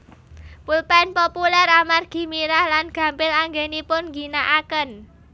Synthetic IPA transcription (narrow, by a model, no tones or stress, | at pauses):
pulpɛnpopulɛramarɡ̥i̤miɾahlanɡ̥ä̤mpɪlaŋɡenipʊnɡi̤naʔakən